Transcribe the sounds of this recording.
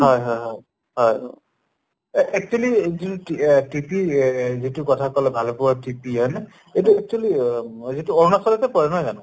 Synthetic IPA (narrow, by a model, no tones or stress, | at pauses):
ɦɔjɦɔjɦɔj | ɦɔj | ʔɛk̚t͡ʃualizintitipizitukɔtʰakɔlɛbʱalɔpʊwatipiɔnɛ | ejtuɛk̚t͡ʃualizituɔɹɔnasɔlɛtɛpɔɹɛnɔjzanɔ̃